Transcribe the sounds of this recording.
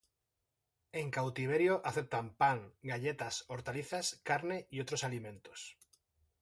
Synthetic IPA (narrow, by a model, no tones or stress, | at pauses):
e̞ŋkawt̪iβ̞eɾjoʔaθe̞p̚t̪ampaŋɡaʎet̪asoɾt̪aliθaskaɾneiot̪ɾosalimẽ̞nt̪os